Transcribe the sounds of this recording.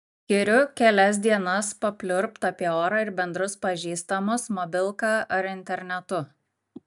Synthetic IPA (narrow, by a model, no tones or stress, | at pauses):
kʲɪɾʲʊkʲɛlʲɛs̬ʲd̪ʲiɛnɐspɐpʲlʲʊɾpt̪ɐːpʲiɛoːɾɑɪɾbʲɛnd̪ɾʊspɐʒʲiːst̪ɐmʊsmɔbʲɪlˠkɑːʔɐɾɪnʲt̪ʲɛɾʲnʲɛt̪ʊ